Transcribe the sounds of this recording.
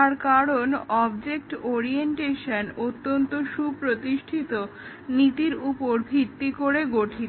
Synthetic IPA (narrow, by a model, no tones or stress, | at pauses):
aɾkaɾonɔbd͡ʑek̚ʈoɾienʈeʃanot̪ːont̪oʃupɾot̪iʃʈʰit̪o | nit̪iɾupoɾbʱit̪ːikoɾeɡoʈʰi